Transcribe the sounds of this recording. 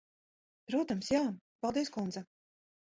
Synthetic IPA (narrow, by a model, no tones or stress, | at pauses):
pɾuɔt̪amsjaː | palˠd̪iəskund̪za